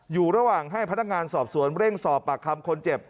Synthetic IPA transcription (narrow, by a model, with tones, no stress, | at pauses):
juː˨˩ɾa˧waː˨˩ŋɦa˥˩jpʰa˦˥na˦˥kŋaː˧nsɔː˨˩p̚su˩˦ənɾe˥˩ŋsɔː˨˩pːa˨˩kʰa˧mkʰo˧nt͡ɕe˨˩p̚